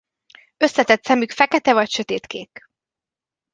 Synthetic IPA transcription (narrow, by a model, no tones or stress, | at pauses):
ø̞sːɛt̪ɛt̪sɛmykfɛkɛt̪ɛvɒcʃø̞t̪eːt̪keːk